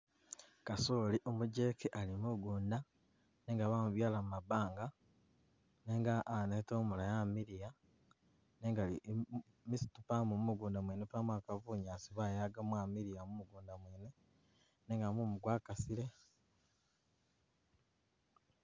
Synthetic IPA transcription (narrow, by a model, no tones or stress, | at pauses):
kasoliʔomuɟe̞keʔalimuɡuːnda | ne̞ːŋɡaβamuβjaːlamumabaːŋɡa | neːŋɡaʔːnetoːmulajamiɾija | neːŋɡali | misi̥tupamumumuɡuːndamweːnepamwakaβuːɲaːsiβaːjaɡamwaːmiɾijamumuɡuːndamweːne | neːŋɡamumuɡwaːkasiɾe̞